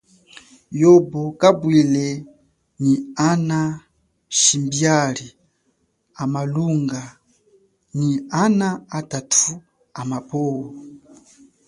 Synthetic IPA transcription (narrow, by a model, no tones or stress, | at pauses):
jɔbɔkabwilɛ | niana | ʃimbjali | amaluŋɡa | nianaatatʰu | amapʰɔwɔ